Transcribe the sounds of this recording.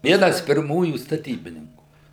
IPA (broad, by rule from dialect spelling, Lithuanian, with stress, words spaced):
ˈʋʲiɛnɐs pʲɪrˈmuːjuː stɐˈtʲiːbʲɪnʲɪŋkuː